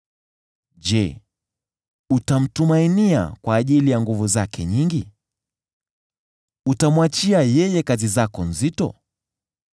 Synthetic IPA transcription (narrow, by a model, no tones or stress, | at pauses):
ʄɛ | utam̩tumainia̰kwaːʄilijaŋɡuvuzakʰɛ̰ɲiŋɡi | utamwat͡ʃiajɛjɛkazizakɔnzitɔ̰